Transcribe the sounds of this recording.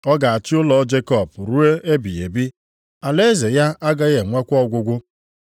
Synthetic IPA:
ɔ˦ɡa˨a˨t͡ʃɪ˦ʊ˦lɔ˨˦d͡ʒe˦kɔ˦˨pɾu˦e˦e˦bi˨e˨bi˦ | a˨le˦ze˨ja˦ʔa˦ɡa˦ɣe˨ŋʷe˦kʷɔ˦ɡʷʊ˦ɡʷʊ˦

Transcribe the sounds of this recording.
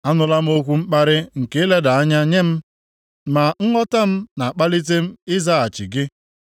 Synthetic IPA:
a˦nʊ˨la˦m̩˦o˦kʷu˦ŋ͡m̩˦k͡pa˦ɾɪ˦ŋ̩˨ke˨˦le˦da˨a˦ɲa˦ɲe˦m̩˦ | ma˨ŋ̩˦ŋɔ˦ta˦m̩˦na˨a˨k͡pa˦li˦t̬e˦m̩˦ɪ˦za˦a˨t͡ʃi˨ɡɪ˦

